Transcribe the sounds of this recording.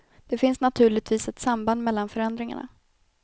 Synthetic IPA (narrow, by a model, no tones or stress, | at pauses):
d̪̥ɛfɪnsnat̪ʰʉ̟ːɭɪɡt̪viːsɛt̪samband̪mɛlːanfœɾɛnd̪ɾɪŋa̰ɳa̰